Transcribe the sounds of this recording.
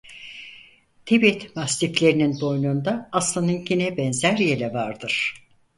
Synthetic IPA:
t̪ʰebiɛt̪mast̪iflʲe̞ɾinind̪o̞jnuːnd̪aːslˠanɯnɟinɛbɛnzæɾjelʲɛvaɾd̪ɯɾ̥

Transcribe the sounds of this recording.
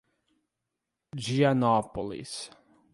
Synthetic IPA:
d͡ʒianɔpolḭs

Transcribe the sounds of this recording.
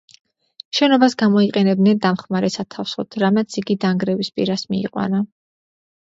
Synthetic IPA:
ʃɛnɔbasɡamɔiqʼɛnɛbd̪nɛnd̪amχmaɾɛsat̪ʰafsɔt̪ʰɾamat̪sʰiɡid̪aŋɡɾɛvispʼḭɾasmḭːqʼwa̰na

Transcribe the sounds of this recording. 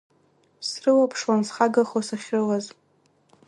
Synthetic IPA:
srɨwapʰʂwansχaɡaχosaχʲrɨlaz

